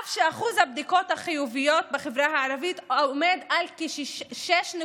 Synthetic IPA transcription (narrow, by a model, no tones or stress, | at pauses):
fʃeaχuzhabd̪iko̞t̪haχijuvijo̞t̪̚beχevɾaɦaːɾavit̪omed̪alkiʃʃʃeʃne